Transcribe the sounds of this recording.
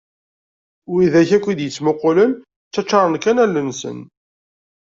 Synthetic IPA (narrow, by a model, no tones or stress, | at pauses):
wiðæçækʷːid̪jət͡sːmʊqːolən | t͡sːæt͡ʃːɑɾˤənkænælːənsə̰n